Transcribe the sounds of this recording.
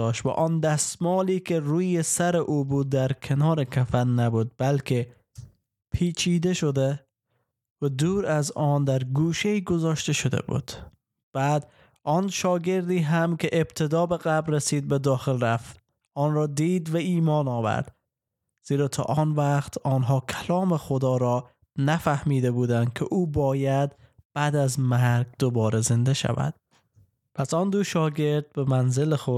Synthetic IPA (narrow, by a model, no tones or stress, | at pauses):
ɒːʃt̪væ̰ʔɒːnd̪æst̪mɒːliːkʰʲeɾuːjesæɾeʔuːbuːd̪ːæɾkʰenɒːɾekʲʰæfænːæbuːd̪̚bælkʲʰe | pʰiːt͡ʃʰiːd̪eʃod̪e | væd̪uːɾæzɒːnd̪æɾɡuːʃeiːɡozɒːʃt̪eʃod̪ḛbṵːd̪̥ | b̥æːd̪ | ʔɒnʃɒːɡe̞ɾd̪iːɦæmkʰʲeʔeb̥̚t̪ʰed̪ɒːbeɣæbɾɾesiːd̪̚bed̪ɒːxelɾæft̪ | ɒːnɾɒːd̪iːd̪væiːmɒːnɒːvæ̰ɾd̪̥ | z̥iːɾɒːt̪ʰɒ̰ːʔɒːnvæqt̪ʰɒːnɦɒːkʲʰælɒːmexod̪ɒːɾɒː | næfæhmiːd̪ebuːd̪ænd̪̥̚kʲʰeʔuːbɒːjæd̪b̥æːd̪æzmæɾɡ̚d̪obɒːɾeze̞nd̪eʃæ̰væ̰d̪̥ | pʰæsɒːnd̪uʃɒːɡeɾd̪̚bemænzelexo